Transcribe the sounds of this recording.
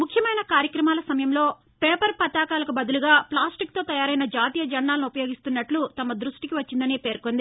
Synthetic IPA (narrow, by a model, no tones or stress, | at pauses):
mukʰjɐmɐjnɐkaːɾjɐkɾɐmaːlɐsɐmɐjɐmlo̞ː | peːpɐɾpɐt̪aːkaːlɐkubɐd̪uluɡaːplaːsʈik̚t̪o̞ːt̪ɐjaːɾɐjnɐd͡ʒaːt̪iːjɐd͡ʒɐɳːaːlɐnuupɐjo̞ːɡist̪unːɐʈlut̪ɐmɐd̪ɾuʂʈikiʋɐt͡ʃːind̪ɐniːpe̞ːɾkond̪i